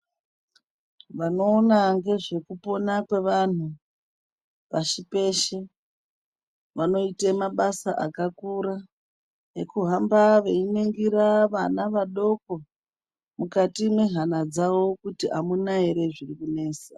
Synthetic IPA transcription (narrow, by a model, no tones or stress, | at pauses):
ʋano̞ːnaŋɡe̞ʐe̞kupo̞nakwe̞ʋan̤u | paʃipe̞ʃe | ʋano̞itemaɓasaʔakakuɾa | ekuɦambaʋeineŋɡiɾaʋanaʋaɗo̞ko̞ | mukatimwe̞ɦanad͡zaʋo̞kutiʔamunaɦeɾe̞ʐirikune̞ːsa